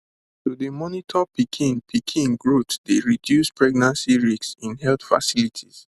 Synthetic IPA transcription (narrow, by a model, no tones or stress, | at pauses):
todemɔnitʰɔpikʰĩnpʰikʰĩnɡɹotdeɹidjuspʰɹɛɡ̚nãnsiɹiksĩnhɛlt̪fa̰silitʰiz̥